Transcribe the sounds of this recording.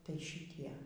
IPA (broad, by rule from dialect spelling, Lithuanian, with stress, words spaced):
tɐɪ ʃʲɪˈtʲiɛ